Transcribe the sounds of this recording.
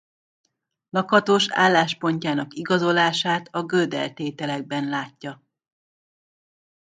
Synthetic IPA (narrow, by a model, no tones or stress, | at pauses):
lɒkɒt̪oːʃa̰ːlːaːʃpo̞ɲcaːnɒkiɡɒzo̞laːʃaːt̪ɒɡød̪ɛ̰lt̪eːt̪ɛlɛɡ̚bɛnlaːcːɒ